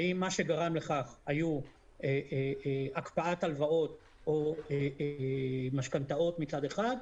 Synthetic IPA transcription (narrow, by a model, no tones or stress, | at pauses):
aimːaʃe̞ɡaʁamle̞χaχaju | eeakpaat̪alvao̞t̪ | oe | maʃkant̪ao̞t̪mit͡sad̪e̞χad̪